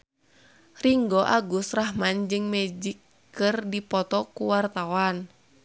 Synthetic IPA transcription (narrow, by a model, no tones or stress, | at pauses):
riŋɡɔʔaɡusraɦmand͡ʒɨŋmɛd͡ʒikː | ɨrdipɔt̪ɔkuwart̪awan